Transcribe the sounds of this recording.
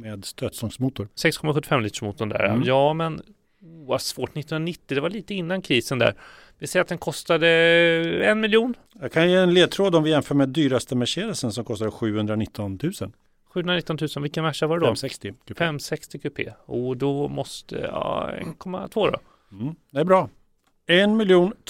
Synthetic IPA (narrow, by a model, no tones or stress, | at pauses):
meːd̪st̪øːt̪sɔŋsmuːt̪ʊɾsɛkskʰɔmaɧɵt̪ːɪ̥fɛmliːə̥ʂmuːt̪ʊɳd̪æ̰ːɾa̰jɑːmɛn | uvasv̥oːʈnɪt̪ːh̪nnanɪt̪ːɪd̪ɛvaɭiːt̪əɪnːankʰɾiːsənd̪æ̰ɾ | vɪlsɛjɾat̪d̪ɛnkʰɔst̪ad̪ə | ɛnmɪljuːn | jakʰanjɛːɛnleːd̪̚t̪ʰɾoːd̪ɔmvɪjɛnfœːɾmɛd̪yːɾast̪əmɛʂeːd̪əlsənsɔmkʰɔst̪ad̪əɧʉ̟ːhɵnd̪ɾanɪt̪ʰːɔnt̪ʰʉ̟ːsən | ɧʉ̟ːɵnɾanɪt̪ːɔnt̪ʉːsənvɪlkːənmæʂavaɾɛd̪ɔɛkst̪ɪfɛɛmːsɛkst̪ɪkʰʉːpʰḛːuːd̪ɔmɔst̪ʰə̰ɑ̰ɛ̰nkʰɔmːa̰t̪ʰvoːd̪ɔ̰ | d̪ɛæɾbɾɑː | ɛnmɪljuːn